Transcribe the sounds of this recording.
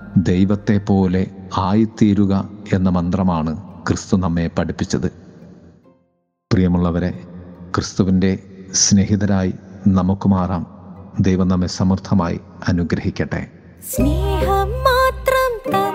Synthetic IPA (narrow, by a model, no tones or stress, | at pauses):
d̪e̞jʋɐt̪ːe̞pːo̞ːle̞aːjit̪ːiːɾuɣɐe̞nːɐmɐnd̪rɐmaːɳɨkrɨst̪unɐmːe̞pɐɽipːit͡ɕːɐðɨ | prijɐmuɭːɐʋɐɾe̞krɨst̪uʋinde̞sne̞ɦiðɐɾaːjinɐmukːɨmaːraːmd̪ejʋɐmnɐmːe̞sɐmɐrt̪ʰɐmaːjḭ | ɐnuɡɾɐhikʲːɐʈːe̞̰ | sneːɦɐmaːt̪rɐmt̪ɐ